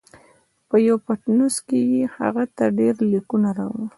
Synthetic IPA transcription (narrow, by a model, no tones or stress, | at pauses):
pəjawpaʈnuskejiha̰ɣat̪aɖeɾlikunaɾa̰wun